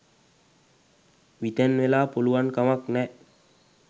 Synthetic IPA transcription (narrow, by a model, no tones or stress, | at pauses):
ʋit̪ɛnʋelaːpoluwankamaknɛ